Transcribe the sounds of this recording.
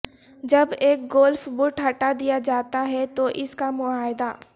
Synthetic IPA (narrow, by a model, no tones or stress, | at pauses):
d͡ʒɐbeːk̚ɡoːlfbʊʈɦɐʈad̪ijad͡ʒaːt̪aɦɛt̪oʔɪskamʊaːɦɪd̪aː